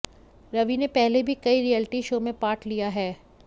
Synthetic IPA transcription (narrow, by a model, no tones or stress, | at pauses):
ɾɐʋinepɛɦlebʱikɐiɾiɛːlɪʈiʃoːmẽpaːʈʰlijaɦɛː